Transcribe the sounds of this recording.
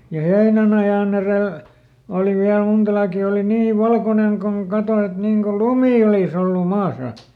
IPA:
jɑ heinænɑjɑˑn ereˑl oˑli ʋiæl muntɑ lɑːkiˑ oli niː ʋɑlkonen koŋ kɑto et niŋ ko lumiˑ olis olːu mɑːsɑ

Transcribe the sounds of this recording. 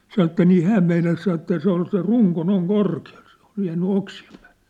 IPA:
sɑnŏ etːæ niː hæːm meinɑs sɑn etːæ se ol se ruŋko noiŋ korkiɑl̥ se̥ o̥l̥ jæːnːy oksiem pæ̥ːl̥ːe̥

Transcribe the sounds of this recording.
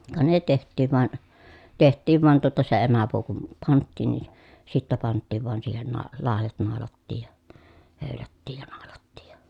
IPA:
kɑ ne tehtˑiːʋ ʋɑn tehtˑiːʋ ʋɑn tuotɑ se emæpuː kum pɑntːiˑn ni sitːæ pɑntːiːʋ ʋɑˑen siːhen nɑː lɑˑejɑt nɑˑolɑtːiːj jɑ høˑylætːiːj jɑ nɑˑolɑtːiːj jɑ̥

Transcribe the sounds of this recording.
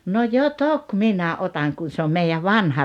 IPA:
no jo tok minæ otɑŋ kun̞ se om meijæʋ ʋɑnhɑ

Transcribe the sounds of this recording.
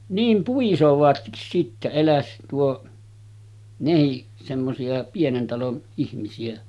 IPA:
niːm puisoʋɑtkis sitːæ elæs tuo nehiʔ semːosiɑ pienen tɑlon ihmisiæ

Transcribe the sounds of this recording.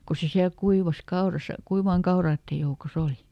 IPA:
ku se siæl kuiʋɑs kɑorɑsɑ kuiʋɑːŋ kɑorɑːtːej joukos oli

